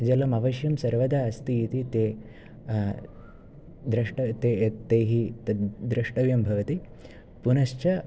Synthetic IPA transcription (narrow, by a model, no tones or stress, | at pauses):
d͡ʒɐlɐmɐʋɐʃjɐmsɐɾʋɐd̪aːɐst̪iːt̪it̪eː | d̪ɾɐʂʈɐt̪et̪eːɦit̪ɐd̪ɾɐʂʈɐʋjɐmbʱɐʋɐt̪i | punɐʃt͡ʃɐ